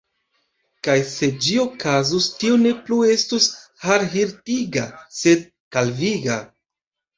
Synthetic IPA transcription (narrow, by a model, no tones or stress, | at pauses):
kajse̞d͡ʒio̞kazustione̞plue̞stushaɾɦiɾtiɡa̰se̞d̚ | kalviɡa